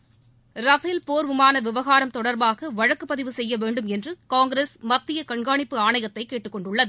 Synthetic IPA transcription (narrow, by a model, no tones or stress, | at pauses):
ɾɐfɪlpoːɾʋɯmaːnɐʋɪʋɐɣaːɾɐmt̪ɔɽɐɾbaːɣɐʋɐɻɐkːɯpːɐðɪʋɯsɛjːɐʋeːɳɖɯmɛndrɯkaːŋɡɾeːsmɐt̪ːɪjɐkɐɳɡaːɳɪpːɯaːɳɐjɐt̪ːɐɪkːeːʈːɯkːɔɳɖɯɭːɐðɯ